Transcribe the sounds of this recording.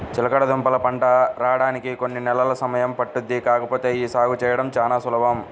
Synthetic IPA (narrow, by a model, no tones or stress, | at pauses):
t͡ʃilɐkɐɽɐd̪umpɐlɐpɐɳʈɐɾaːɽaːnikiko̞nːinɛlɐlɐsɐmɐjɐmpɐʈːunikaːkɐpo̞ːt̪e̞ːiːsaːɡʱut͡ʃɛːjɐɽɐmt͡ʃaːnaːsulɐbɐm